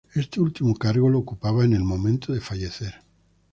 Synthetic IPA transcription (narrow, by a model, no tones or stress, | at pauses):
e̞st̪eult̪imokaɾɣo̞loːkupaβaene̞lmõ̞mẽnt̪oðe̞faʝe̞θe̞ɾ